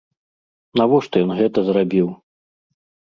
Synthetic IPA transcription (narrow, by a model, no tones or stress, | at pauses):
navɔʂt̪ɔjɔnɣɛt̪ɐzɾabʲiw